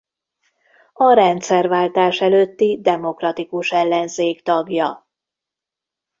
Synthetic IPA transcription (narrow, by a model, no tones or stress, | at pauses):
ɒɾɛnt̪sɛrvaːlt̪aːʃɛløːt̪ːid̪ɛmo̞krɒt̪ikuʃɛlːɛnzeːkt̪ɒɡjɒ